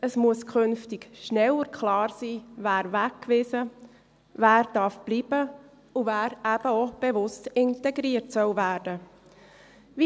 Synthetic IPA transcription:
əsmuəskʰʏnftɪɡʃnɛwəɾkʰlɑːɾsiːvæːɾvækːʋɪzə | væːɾd̥ɑɾfb̥liːb̥ə | uvæːɾæb̥əob̥evʊstɪntɛɡɾiːərtsœwvæːɾd̥ə | vi

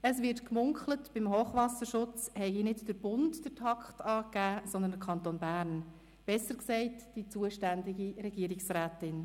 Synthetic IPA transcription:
əsʋɪɾtkmʊŋkʰlətb̥ɪmɦoːχʋɑsəɾʃʊt͡shɛɪɡinɪtd̥əɾb̥ʊntd̥ətʰɑkχtɑːkæːsɔnd̪əndəɾkʰɑnt̪oːnbæːɾn | b̥ɛsːəɾksɛɪtd̥it͡suəʃtændɪɡiɾɛɡiəɾɪksɾæːtɪn

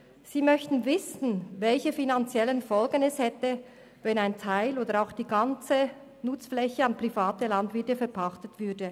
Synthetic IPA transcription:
z̥iːmœçtn̩vɪsn̩vɛlçəfinant͡sjɛlənfɔlɡənɛshɛtə | vɛnaɪntʰaɪloːdəɾaʊxd̥iːɡɑnt͡sə | nʊt͡sflɛçəɑnpʁ̥ifaːtəlɑndvɪɐtəfɛɐpʰɑχtətv̥ʏdə

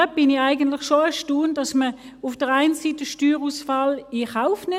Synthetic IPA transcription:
b̥ɪnɪaɪɡəntlɪχʃoɛʃtuːnd̥ɑsmə | ʊfd̥əʁaɪnsitəʃtyːʁusfɑːlɪχaʊfnɪ

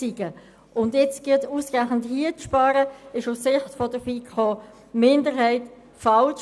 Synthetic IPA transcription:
siɡə | ʊndjɛt͡sɡ̥ɪtuːsʁaən̩thiət͡sʃpɑːɾəɪʃʊssɪχtfɔdəɾbiːkʰχoː | mɪndəɾɦɛɪt | fɑlʃ

